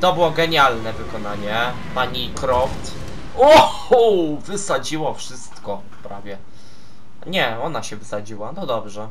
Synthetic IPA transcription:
t̪ɔbɘwɔɡɛɲalnɛvɘkɔnaɲɛ | paɲikɾɔft̪ | u | vɘsad͡ʑiwafʂɘst̪kɔ | pɾavʲjɛ | ɲɛɔnaɕɛvɘsad͡ʑiwanɔd̪ɔbʐɛ

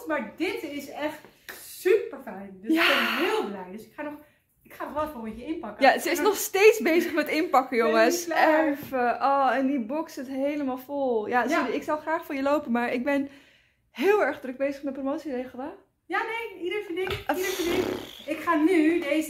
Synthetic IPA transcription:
tmaːɹdɪtɪsɛχt | sypəɹfɛjndəjaɛnɦɪːlˠblɛjdəsɪkχaːnɔχ | ɪkχaːɔʋɛlˠɛfɔlˠɪjəɪnpɑkəjasəɪsnɔχstejtsbejzəχmɛtɪnpɑkəjʊŋəsɛfəʔɔɛndibɔksɪtɦejləmaːlˠfolˠjasɪksɔwˠχraːχfʊːɹjəlowpənmaːɹɪɡ̚bɛn | hɪːlˠɛɹχdrək̚bejzəχmɛt̚promowtsirejχəl̩ˠə | janejidəɹfɪnɪkidəɹfɪnɪɪkχaːnydez

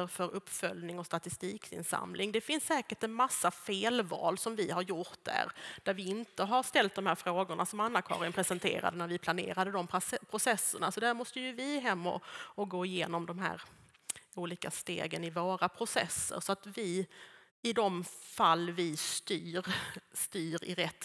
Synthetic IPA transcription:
əɾfœɾɵpːfœlnɪŋɔst̪at̪ɪst̪iːkɪ̰nsa̰mlɪŋd̪ɛfɪnsːɛːkəʈɛnmasːafeːlvɑ̰ːlsɔmvɪɦaɾjʊɾt̪̚d̪æ̰ɾd̪̥æɾvɪɪnt̪əɦaɾʂt̪ɛlt̪̚d̪ɔmhæːɾfɾoːɡʊɳasɔmanːakʰɑ̰ːɾɪənpʰɾɛsənt̪ʰḛːɾa̰d̪ənæɾvɪpʰlanḛːɾad̪əd̪ɔmpʰɾʊsɛsːəɳasɔd̪æɾmɔst̪əjɵvɪɦɛmːɔ̰ɔɡoːɪjeːnɔmd̪ɔmɦæ̰ːɾ | uːliːkast̪ḛːɡənɪvoːɾapʰɾʊsɛ̰sːə̰ɾsɔat̪vɪ | ɪd̪ɔmfalːvɪst̪yːɾst̪yːɾɪ̰ɾɛt̪ː

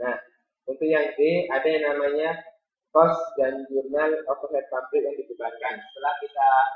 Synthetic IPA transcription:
nah̪ | ənt̪ujaŋdiadajaŋnamaɲa | kɔsdand͡ʒurnalɔt̪ɔhɛt̪̚pablɪk̚jaŋdibəbarkansə̥t̪əlahkit̪a

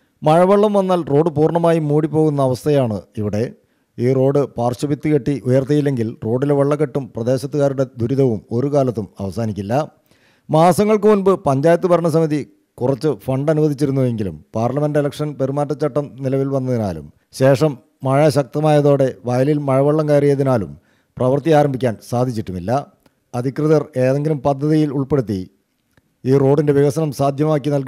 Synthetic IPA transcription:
mɐɻɐʋɐɭːɐmʋɐnːaːlro̞ːɖɨpuːrɳɐmaːjimuːɽipːo̞ːɣun̪ːɐːʋɐst̪ʰɐjaːɳɨiʋiɽe̞ | iːro̞ːɖɨpaːrɕubit̪ːikeʈːiʔujɐrt̪ijilːe̞ŋɡilro̞ːɖileʋɐɭːɐkːeʈːumprɐd̪e̞ːɕɐt̪ːuɣaːɾuɽe̞d̪ʱuɾiðɐʋumo̞ɾukaːlɐt̪ːumɐ̰ʋɐsaːnikʲːilːɐ | maːsɐŋːɐɭkɨmunbɨpɐɲd͡ʑaːjɐt̪̬ːɨbʱɐɾɐɳɐsɐmiði | kurɐt͡ɕːɨfɐɳɖɐnuʋɐd̪it͡ɕːiɾunːue̞ŋɡilṵmpaːrlɐme̞ndelɐkʂɐnpe̞ɾumaːʈːɐt͡ɕːɐʈːɐmnilɐʋilʋɐnːɐðinaːlṵm | ɕe̞ːʂɐmː | ɐɻɐɕɐk̚t̪ɐmaːjɐðo̞ːɽe̞ʋɐjɐlilmɐɻɐʋɐɭːɐmkaːɾijɐðinaːlṵm | prɐʋɐrt̪ijaːɾɐmbʱikʲːaːnsaːd̪ʱit͡ɕːiʈːumilːɐ | ɐd̪ʱikrɨðɐre̞ːðe̞ŋɡilumpɐd̪ʱːɐðijiluɭpe̞ɽut̪̬ːi | iːro̞ːɖinde̞ʋjɐɣɐsɐnɐmsaːd̪ʱjɐmaːkːinɐlk

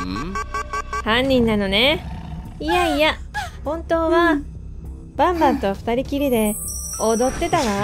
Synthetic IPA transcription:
hãɲːĩnːano̞ne̞ | ijaija | hõ̞nt̪o̞ːβa | b̥ãmbãnt̪o̞ɸɯ̥t̪aɾʲikʲiɾʲid̪e̞od̪o̞t̪ːe̞t̪aɡa

